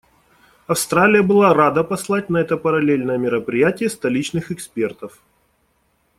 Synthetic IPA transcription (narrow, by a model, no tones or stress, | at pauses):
ɐfst̪ɾalʲɪjəbɨlˠaɾad̪əpɐslˠat̚ʲnɐɛt̪əpəɾɐlʲelʲnəjəmʲɪɾəpɾʲɪjætʲɪjəst̪ɐlʲit͡ɕnɨxɨkspʲe̞rt̪əf